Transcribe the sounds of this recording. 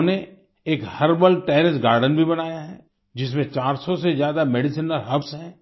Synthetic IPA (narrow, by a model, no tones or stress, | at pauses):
ne | eːkhɐɾbəlʈɛːɾɪsɡaːɾɖənbʱibɐnaːjaɦɛː | d͡ʒɪs̬mẽt͡ʃaːɾsɔsezjaːd̪amɛɖɪsiːnəlɦɐbsɦɛ̃ː